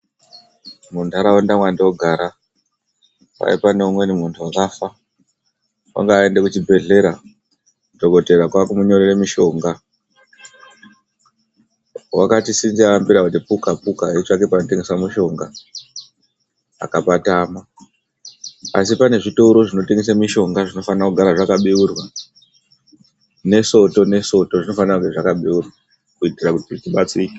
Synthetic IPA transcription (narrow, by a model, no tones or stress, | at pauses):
muntʰuaɾaondamwandeoɡʱaːɾa | pa̰ḭpaneumwe̞nimuntʰuwakafa | wa̰ŋɡaːe̞ndekut͡ʃibʱe̞ɮe̞ɾa | doko̞te̞ɾakwakumuɲo̞ɾeremiʃo̞ːŋɡa | wakatisinziaambiɾakutipukapukaɦet͡ʃake̞pano̞te̞ŋɡe̞swamiʃo̞ŋɡa | a̰kapataːma | asipane̞ʐitouɾo̞ʐino̞te̞ŋɡes̬amiʃo̞ŋɡaʐino̞fanrakuɡʱaɾaʐakaɓiurwa | ne̞so̞to̞ne̞so̞to̞ʐino̞fanrakuɡeʐakaɓiurwa | kuitirakutiʐit͡ʃiɓat͡siːke